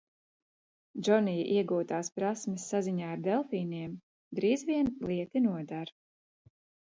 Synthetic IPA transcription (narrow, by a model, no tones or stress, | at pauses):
d͡ʒɔnijʔiɛɡuːt̪aːspɾasmisːaziɲaːaɾd̪ɛlˠfiːniɛm | d̪ɾiːzviɛnlˠiɛt̪inuɔd̪aɾ